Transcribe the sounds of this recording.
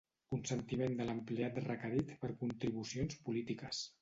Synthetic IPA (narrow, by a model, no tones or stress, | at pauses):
kunsənt̪imend̪ələmpleat̪rəkəɾit̪pəɾkunt̪ɾiβusionspulit̪ikəs